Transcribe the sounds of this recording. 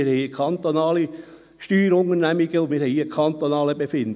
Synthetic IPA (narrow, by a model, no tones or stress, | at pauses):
ɪɾhɛɪəkʰɑnt̪onɑːli | ʃtyːɾʊŋəɾnæmiɡ̥əʊnmɪɾɦɛɪiəkʰɑnt̪onɑːləbefɪnd